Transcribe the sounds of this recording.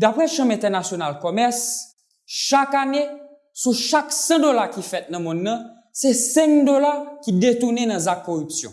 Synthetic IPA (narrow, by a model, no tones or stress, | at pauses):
d̪apʁɛʃɐ̃mɛ̃t̪ɛʁnasjonalkɔmɛs | ʃakane | suʃaksɐ̃dolakifɛt̪̚nɐ̃mɔ̃nːɐ̃ | sɛsɛ̃ŋd̪olakidet̪unenɐ̃zakːɔʁypsjɔ̰̃